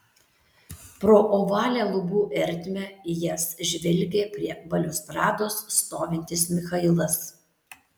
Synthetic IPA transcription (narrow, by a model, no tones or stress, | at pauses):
pɾoːʔɔːʋɑːlʲæːlˠʊbuːʔɛɾʲt̪ʲmʲɛɪjɛsʒʲʋʲɛlʲɡʲeːpʲɾʲiɛbɐlʲʊsp̪ɾɑːd̪oːsːt̪oːʋʲɪnʲt̪ʲɪsmʲɪxɐɪlˠɐs